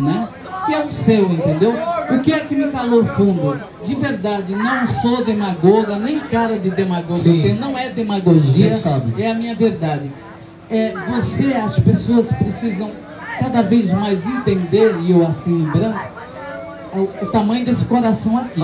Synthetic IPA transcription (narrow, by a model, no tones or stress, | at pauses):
nɛ | ewsewẽnt̪ẽnd̪ewʊkɪɛkɪmɪkaloɾfũnd̪ʊ | d͡ʒɪveɾd̪ad͡ʒɪnɐ̃w̃sod̪emaɡoɡɐnẽj̃kaɾɐd͡ʒɪd̪emaɡoɡkenɐ̃w̃ɛd̪emaɡoʒiɐsabɪɛɐmĩɲɐveɾd̪ad͡ʒɪ | ɛvoseɐspesoɐspɾesizɐ̃w̃ | kad̪ɐvezmajzẽnt̪ẽnd̪eɾɪewasilĩbɾa | ʊːt̪amɐ̃j̃ʊ̃d̪esɪ̥koɾasɐ̃w̃aki